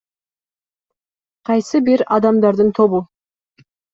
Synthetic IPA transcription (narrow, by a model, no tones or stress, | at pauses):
qʰɑjsəbeɾɑd̪ɑmd̪ɑɾd̪əɴt̪ʰo̞bə